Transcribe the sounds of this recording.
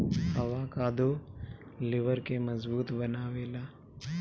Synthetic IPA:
hɐʋaːkaːd̪o | lɪʋəɾkemɐzbuːt̪bɐnaːʋeːlaː

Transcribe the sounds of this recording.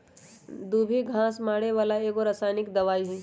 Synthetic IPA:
d̪uːbʱiɡʱãːsmaːɽeʋaːlaeːkoɾɐsaːjnɪkd̪ɐʋaːiɦĩ

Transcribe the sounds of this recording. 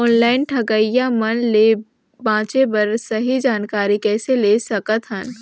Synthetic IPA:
ɔːnlaːɪnʈʰɐɡəijamɐnleː | bãːt͡ʃebɐɾsɐɦid͡ʒaːnkaːɾikɛːseleːsɐkət̪ɦən

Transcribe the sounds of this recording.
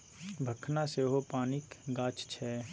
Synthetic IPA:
bʱəkʰnaseɦopaːnɪkɡaːt͡ʃt͡ʃʰɛː

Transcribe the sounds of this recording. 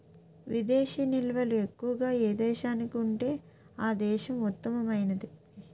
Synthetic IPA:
ʋid̪ɛːʃinilʋɐlue̞kːuʋɐɡaːeːd̪ɛːʃaːnikiuɳʈe̞ː | aːd̪ɛːʃɐmut̪ːɐmɐmɐjnɐd̪i

